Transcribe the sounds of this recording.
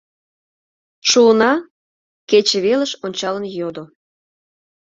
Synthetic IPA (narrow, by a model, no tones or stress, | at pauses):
ʃuənɑ | ket͡ɕəβeləʃonʲt͡ɕɑlənjod̪o